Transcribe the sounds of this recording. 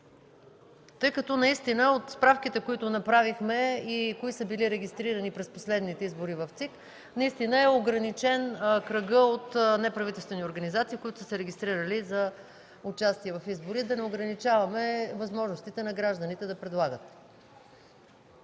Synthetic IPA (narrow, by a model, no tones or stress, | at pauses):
t̪ɤjkɐt̪ɔnɐist̪inəot̪spɾafkit̪ɛkoit̪ʊnɐpɾavixmɛikoisəbiliɾɛɡʲist̪ɾiɾɐnipɾɛsposlɛd̪nit̪ɛizboɾivɐft̪sik | nɐist̪inəɛoɡɾɐnit͡ʃɛnkɾɐɡəot̪nɛpɾɐvit̪ɛlˠst̪vɛnioɾɡɐnizat̪siːkoit̪ʊ̥sə̥sɛɾɛɡʲist̪ɾiɾəlizɐ | ʊt͡ʃast̪iɛvɐfizboɾid̪ɐnɛoɡɾɐnit͡ʃavɐmɛvɐzmɔʒnost̪it̪ɛnɐɡɾaʒd̪ənit̪ɛd̪ɐpɾɛd̪lˠaɡət̪̚